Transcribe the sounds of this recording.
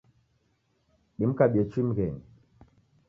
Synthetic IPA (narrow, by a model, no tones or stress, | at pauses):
ɗim̩kaɓiet͡ʃimɡɛni